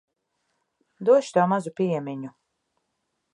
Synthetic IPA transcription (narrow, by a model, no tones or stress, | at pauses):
d̪uɔʃt̪uɔmazupʲiɛmʲiɲu